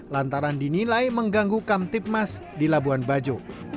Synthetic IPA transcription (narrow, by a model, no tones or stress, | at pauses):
lant̪aɾandinilajməŋɡaŋɡukamt̪ɪp̚mas | dilabuanbad͡ʒo